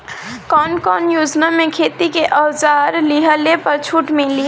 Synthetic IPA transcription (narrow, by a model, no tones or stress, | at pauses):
kɔnkɔnjud͡ʒnamekʰet̪ikeʔəwd͡ʒaɾliɦəlepəɾt͡ʃʰuʈmili